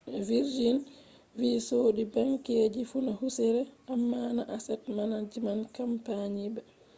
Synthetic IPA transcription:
viɾd͡ʒin | viːsoːɗibaŋkeːd͡ʒifunahusɛɾɛamːaːnaʔasɛt̚manad͡ʒimankampaɲibɛ

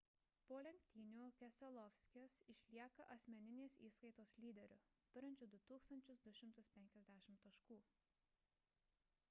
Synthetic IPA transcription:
poːlʲɛŋʲk̚ʲt̪ʲiːnʲuːkʲɛsʲɛlˠɔʋʲsʲkʲɛsɪʃʲlʲiɛkɐʔɐsʲmʲɛnʲɪnʲeːsiːskɐɪt̪oːslʲiːd̪ʲɛɾʲʊt̪ʊɾʲɪnʲt͡ʃʲʊd̪ʊt̪uːkst̪ɐnʲt͡ʃʲʊsd̪ʊʃʲɪmt̪ʊspʲɛŋʲkʲɛzʲd̪ʲæːʃʲɪmt̪ɐʃkuː

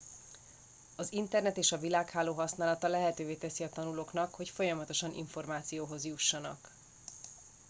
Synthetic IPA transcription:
ɒzint̪ɛrnɛt̪eːʃɒvilaːkhaːloːɦɒsnaːlɒt̪ɒlɛɦɛt̪øːveːt̪ɛsiɒt̪ɒnuloːknɒkho̞cfo̞jɒmɒt̪oʃɒnʔḭɱfo̞rmaːt̪sijoːɦo̞zjuʃːɒnɒ̰k

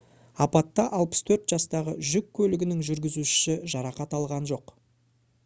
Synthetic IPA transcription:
ɑpɑt̪ːɑʔɑlˠpə̥st̪ʰɵɾt̪ʒ̥ɑst̪ɑʁəʒʏkʲʰːɵlɪɡʲɪnɪŋʒʏɾɡʲɪzuʃʃɪʒɑɾɑqɑt̪ɑlˠʁɑnʒo̞q

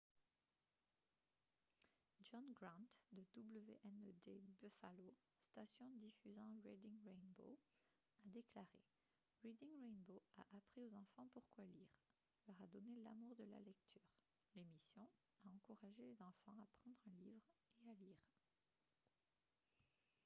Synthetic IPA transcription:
ʒɔ̃nɡʁɑ̃t̪d̪əd̪ubləveʔɛnd̪ebøfalo | st̪asjɔ̃d̪ifyzɑ̃ʁɛd̪iŋʁɛnbo̰ | ad̪eklaʁe | ʁid̪iŋʁɛnboa̰ʔapχiozɑ̃fɑ̃puʁkwaliːʁ | lœʁad̪ɔnela̰muʁd̪əla̰lɛk̚t̪ʰyːʁ | lemisjɔ̃ | aɑ̃kuʁaʒelezɑ̃fɑ̃apχɑ̃d̪ʁɛ̃livʁealiːʁ

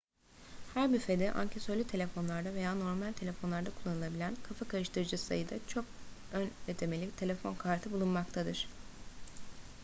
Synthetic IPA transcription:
hæɾbyfe̞d̪ɛʔa̰ɲcʰesolʲit̪ʰe̞lʲefo̞nlˠaɾd̪ave̞jaːno̞ɾmalʲt̪ʰe̞lʲe̞fo̞nlˠaɾd̪akʰulˠːanɯlˠabilʲænkʰafakʰaɾɯʃt̪ʰɯɾɯd͡ʒɯsa̰jɯd̪at͡ʃʰo̞k̚ønet̪ʰe̞me̞lʲit̪ʰe̞lʲe̞fo̞nkʰaɾt̪ʰɯbulˠunmakt̪ʰad̪ɯɾ̥

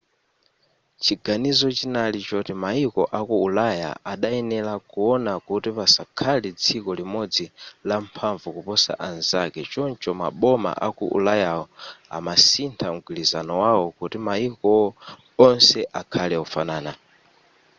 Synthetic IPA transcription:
t͡ʃʰiɡanizɔt͡ʃinalit͡ʃɔtimaikɔʔakuːlaja̰ʔaɗaɛnɛlakuɔnakutipasakʰalɛd͡zikɔlimɔd͡zilampʰaɱvukupɔsa̰ʔanzakɛt͡ʃɔnt͡ʃɔma̰ɓɔma̰ʔakuʔṵlajaɔa̰masintʰam̩ɡwilizanɔwawɔkutimaikɔ | ɔnsɛʔakʰalɛɔfanaːna

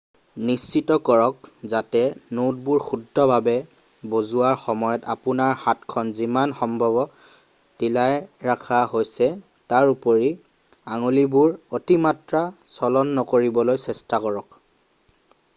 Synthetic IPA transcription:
nist͡ʃitɔkɔɹɔkzatɛnod̚buɹxudʱːɔbʱabɛ | bozuaɹxɔmɔjɔtapʊnaɹhatkʰɔnzimanxɔmbʱɔbɔ | tilajɹakʰaɦojsɛ | taɹupoɹi | aŋolibuɹotimatɹasɔlɔnːɔkoɹibɔlojsɛstakɔɹɔk̚

